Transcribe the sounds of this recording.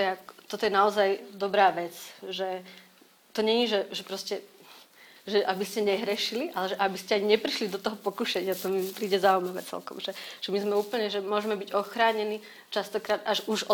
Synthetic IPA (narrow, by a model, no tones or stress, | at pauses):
jɛakt̪ɔt̪ɔjɛnaɔzajd̪ɔbɾaːʋɛt͡sʒɛ | t̪ɔɲɛɲiʒɛʒɛpɾɔscɛ | ʒɛʔabiscɛɲɛɦɾɛʃiliʔalɛʒɛʔabiscɛaɲiɲɛpɾiʃlid̪ɔt̪ɔɦɔpɔkuʃɛɲɪat̪ɔmipɾiːɟɛzaumaʋɛ̰t͡sɛ̰lkɔ̰mʒɛʒ̥ɛmizmɛuːpl̩ɲɛʒɛmʊɔʒɛmɛbiɟɔxɾaːɲɛni | t͡ʃast̪ɔkɾaːd̪aʒuʒɔ